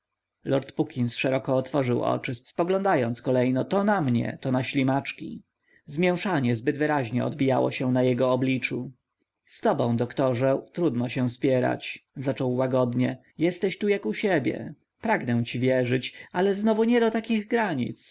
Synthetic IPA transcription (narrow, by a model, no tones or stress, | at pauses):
lɔɾt̪pukʲinsʂɛɾɔkɔːt̪fɔʐɘwɔ̰t͡ʂɘspɔɡlɔ̃nd̪ajɔnt̪skɔlɛjnɔt̪ɔnamɲɛ̰t̪ɔnaɕlʲimat͡ʂkʲḭ | zmʲjɛw̃ʂaɲɛzbɘd̪vɘɾaʑɲɛ̰ɔ̰d̪bʲija̰wɔ̰ɕɛnajɛɡɔːblʲit͡ʂu | st̪ɔbɔ̃w̃d̪ɔkt̪ɔʐɛt̪ɾud̪nɔɕɛw̃spʲjɛɾa̰t͡ɕzat͡ʂɔwːaɡɔd̪ɲɛ | jɛst̪ɛɕt̪ujakuɕebʲjɛ̰ | pɾaɡnɛw̃t͡ɕivʲjɛʐɘt͡ɕalɛznɔvuɲɛd̪ɔt̪akʲiɣɡɾaɲḭt̪s